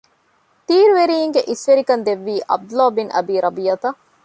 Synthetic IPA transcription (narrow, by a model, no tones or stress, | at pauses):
t̪iːɾuʋeɾiːiŋɡeʔisʋeɾikɐnd̪eʋːiːʔɐ̰b̚d̪ulaːbinɐ̰biːɾʔɐbijɐt̪ɐ